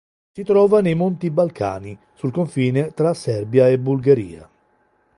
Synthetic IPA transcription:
sit̪ɾɔːvanejmont̪ibalkʰa̰ːni | sulkoɱfiːnet̪ɾasɛrbjaebːulɡaɾḭːa̰

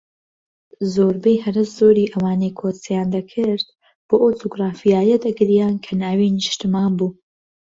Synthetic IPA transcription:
zoːɾbɛjhɐɾɨszoːɾiːʔɐwaːnejkʰoːt͡sjaːnd̪ɐkʰɨɾd̪ | b̥oːʔot̪ʰoɡraːfijaːjɐd̪ɐɡɾijaːnkʰɐnaːwiːnɨʃt̪ɨmaːnbuː

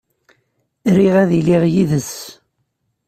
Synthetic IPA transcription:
ɾiʁæðiliʁjiðəs

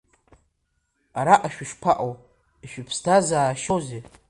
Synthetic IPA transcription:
aɾaʔaʃᶣɪʃpʰaʔow | iʃᶣʏpʰstʰazaːʃowze

